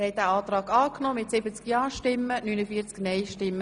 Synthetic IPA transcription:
hɛɪt̚d̥æːɑːt̪ɾɑːɡɑːknɔːmɪtsɪbət͡skjɑːʃtɪmːənynəfiːəɾt͡sknɛɪʃtɪmːə

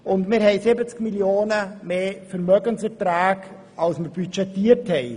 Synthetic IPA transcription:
ʊndmɪɾhɛɪsɪbət͡skmiljoːnəmeːfɛɾmœɡənsɛɾtɾaːk | ɑlsməɾbyt͡ʃɛtːiːəɾthɛɪ

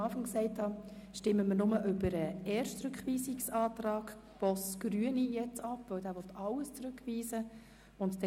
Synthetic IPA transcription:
ɑːfɑŋksɛɪthɑ | ʃtɪmːəmənʊməʔʏbəɾəɛːrʃt͡sɾɵkχʋiːsiksɑːtɾɑːk | b̥ɔsɡ̥ɾyənijɛt͡sɑpːvœwdæːɾʋɔt̪ʰːɑwəst͡sɾʉkʰʋiːsə | ʊntdɛ

